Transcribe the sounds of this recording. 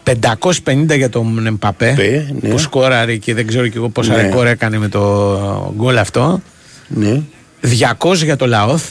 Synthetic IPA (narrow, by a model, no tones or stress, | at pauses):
pe̞nd̪ɐko̞si̥spe̞nind̪ɐʝɐt̪o̞mnempɐpe̞posko̞ɾɐɾiceðeɡze̞ɾoceɣo̞posɐɾekoɾekɐneme̞t̪o̞ɡo̞lɐft̪o̞ | n | ðʝɐko̞s̬ʝɐt̪o̞lɐoθ